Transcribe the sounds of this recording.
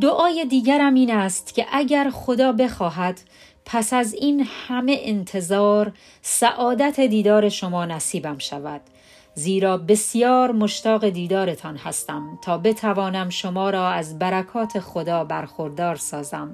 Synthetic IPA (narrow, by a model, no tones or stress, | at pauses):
d̪oʔɒːje̞d̪iːɟæɾæmiːnæst̪cʲʰe̞ʔæɟæɾχod̪ɒːbe̞xɒːɦæd̪̥ | pʰæsæziːnhæme̞ʔent̪ʰe̞zɒːɾ | sæʔɒːd̪æt̪ʰe̞d̪iːd̪ɒːɾe̞ʃo̞mɒːnæsiːbæmʃævæd̪̥ | ziːɾɒːbe̞sjɒːɾmoʃt̪ɒːɣe̞d̪iːd̪ɒːɾe̞t̪ʰɒːnhæst̪æmt̪ʰɒːbe̞t̪ʰævɒːnæmʃo̞mɒːɾɒːæzbæɾækʰɒːt̪ʰe̞xod̪ɒːbæɾxo̞ɾd̪ɒːɾsɒːzæm